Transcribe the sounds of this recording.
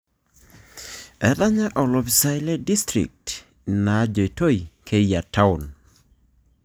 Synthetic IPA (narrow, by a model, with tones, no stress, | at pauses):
ɛ˨da˦ɲa˦ʔɔ˨lɔ˨bi˨sa˦jle˦di˦stɾḭ˨k̚t | na˨d͡ʒo˨to˦jkʰe˦ja˨tʰa˦ʊn